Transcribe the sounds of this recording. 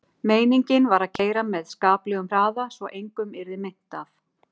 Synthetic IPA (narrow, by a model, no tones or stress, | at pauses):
meːjniɲcɪnvaɾaðcʰeːjɾamɛðskaːplɛɣʏmr̥aːðasvɔʔejŋkʏmɛɾðɪmɪn̥t̪af